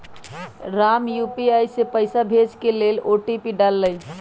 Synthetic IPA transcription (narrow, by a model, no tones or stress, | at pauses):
ɾamjupiajsepəjsabʱed͡ʒkeleloʈipiɖalːəj